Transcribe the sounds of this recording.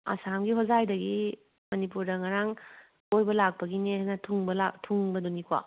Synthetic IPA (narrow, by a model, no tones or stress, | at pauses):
a̰samɡiɦozajdɐɡi | mɐnipuɾdɐŋaɾaŋ | ojbɐlak̚pɐɡinenɐtʰuŋbɐlatʰuŋbɐdonikwa̰